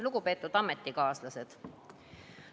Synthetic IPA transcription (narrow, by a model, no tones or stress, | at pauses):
luɡ̥upe̞ːt̪ːˑud̪̥ɑmet̪ːˑikɑːslɑse̞d̪̥